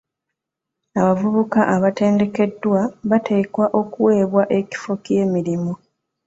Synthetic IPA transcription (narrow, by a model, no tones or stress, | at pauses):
aβavuβukaʔaβate̞ːnde̞ke̞dːwaβatʰe̞ːkwaʔo̞kuwe̞ːβwaʔe̞ci̥fo̞ke̞ːmiɾimu